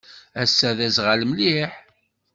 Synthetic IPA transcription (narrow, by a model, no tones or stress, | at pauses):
æsːæðæzʁalmliħ